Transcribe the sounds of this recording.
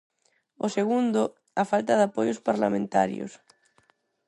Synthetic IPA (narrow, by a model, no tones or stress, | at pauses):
ʊseɣund̪ʊ | afalt̪ɐðapojospaɾla̰mẽnt̪a̰ɾjo̰s